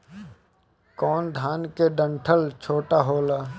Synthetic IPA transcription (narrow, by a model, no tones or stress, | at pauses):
kɔːnd̪ʱaːnkeɖə̃ɳʈʰəlt͡ʃʰoːʈaɦoːlaː